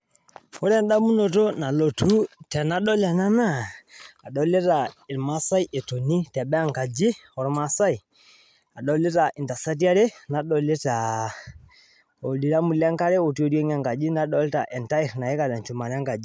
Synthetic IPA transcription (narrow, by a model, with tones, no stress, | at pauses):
o˦ɾɛ˦nda˦mu˦no˨to˦na˨lo˨tʰu˦tɛ˨na˦ɗɔ˦lɛ˨na˦na˦˨a˨ɗɔ˨le˦ta˨ɪ˨ɾma˦sa˦i˦ʔe˨to˨ni˦tɛ˨ɓɛ˦a˦ŋka˨d͡ʒi˦ɔ˨ɾma˦sa˦i˨ | a˨ɗɔ˨le˦ta˨ʔi˨nta˨sa˦t̬i˦a˦ɾe˦na˨ɗɔ˨˦le˦ta˨ | o˨li˨ɾa˦mu˨lɛ˦ŋka˦ɾɛ˦o˨tu˦o˦ɾe˦ŋa˦ŋɡa˨d͡ʒi˦na˦ɗɔ˦lta̰˨ʔɛ˨nta˦i˨ɾna˨e˦ka˨lɛ˨nt͡ʃu˨ma˨ɾa˦ŋɡa˨d͡ʒi˦